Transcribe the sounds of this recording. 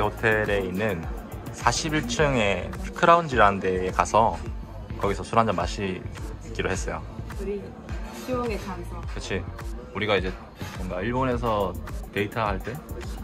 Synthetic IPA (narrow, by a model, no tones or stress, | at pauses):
hotʰe̞ɾe̞inːɯn | sʰaɕʰibiɭt͡ɕʰɯŋe̞pʰkʰɯɾaund͡ʑiɾaɯnde̞ːkasʰʌ | kʌɡisʰʌsʰuɾand͡ʑamːa̰ɕʰik͈iɾoɦes͈ʌjo̰uɾi | ɕioɡet͡ɕʰakɯt͡ɕʰiuɾiɡaid͡ʑe̞ | mʌŋɡaiɭbone̞s̬ʰʌte̞itʰaɦaɭt͈e̞